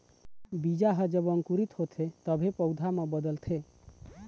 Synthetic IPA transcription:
bid͡ʒaɦəd͡ʒəbɔŋkuɾit̪hot̪ʰet̪ɔbʱepɔwd̪ʱamə̃bəd̪əlt̪ʰe

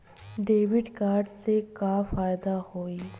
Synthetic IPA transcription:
ɖeːwɪɖkaːɾɖsekafaːjd̪ahoːi

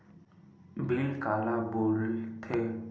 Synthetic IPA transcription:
blilkalaboɾit̪ʰe

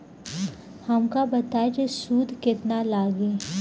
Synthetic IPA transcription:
hɐmkabɐt̪aːjd͡ʒesuːd̪ʱkɪt̪nalaːɡeː

